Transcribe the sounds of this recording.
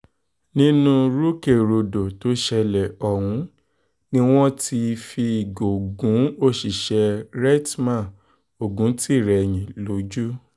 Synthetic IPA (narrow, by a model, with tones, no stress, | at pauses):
nĩ˦nũ˦ɾu˦ke˦˨ɾo˨do˨to˦ʃɛ˧lɛ˨ɔ˨hũ˨˦ | nĩ˦w̃ɔ̃˦tʰi˧fi˧˨ɡo˨ɡũ˨˦o˦˨ʃi˨ʃɛ˧ɾɛ˦tmã˦˨ | o˨ɡũ˨˦ti˦˨ɾɛ˨j̃ĩ˨lo˨˦d͡ʒu˦